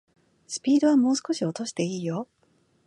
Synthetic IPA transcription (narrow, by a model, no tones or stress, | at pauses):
sɨ̥pʲiːd̪o̞β̞amo̞ːsɨ̥ko̞ɕio̞t̪o̞ɕi̥t̪e̞iːjo̞